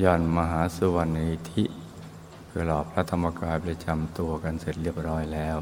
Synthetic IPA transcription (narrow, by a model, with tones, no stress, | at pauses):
jɔː˧˩nma˧ɦaː˨˩˦su˧wa˧nːi˧t̪ʰi˦˥ʔ | pʰɯ˧˩lɔː˨˩pʰɾa˦˥t̪ʰːa˧mːa˧kaː˧jpli˧t͡ɕa˧mt̪u˧ɐka˧nse˨˩t̪̚ɾi˥˩əp̚ɾɔː˦˥jlɛː˦˥w